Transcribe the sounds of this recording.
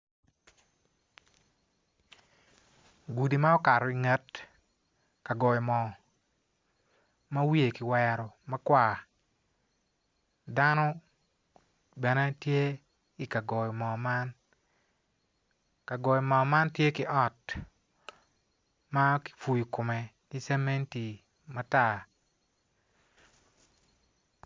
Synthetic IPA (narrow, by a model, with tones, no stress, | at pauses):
ɡu˨di˨ma˦ɔ˦ka˨ɾɔ˨i˨ŋe˦t | ka˨ɡɔ˨jɔ˨mɔ˨ | ma˦wi˦e˨kɪ˨wɛ˨˦ɾɔ˨ma˦kwa˨ | da˦nɔ˦ | bɛ˨ne˦tje˦ | ɪ˨ka˨ɡɔ˨jmɔ˨ma˦n | ka˨ɡɔ˨jɔ˨mɔ˨ma˦ntje˦kɪ˦ʔɔ˦˨t | ma˦kɪ̥fu˨ji˨kʊ˨mɛ˨ | nɪ˦sɛ˦me˦nti˨ | ma˦ta˦˨